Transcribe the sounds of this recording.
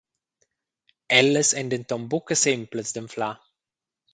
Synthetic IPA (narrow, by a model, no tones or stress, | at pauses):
ɛlːəsɛnd̪ənt̪ɔmbukəsɪmpləsd̪əɱfla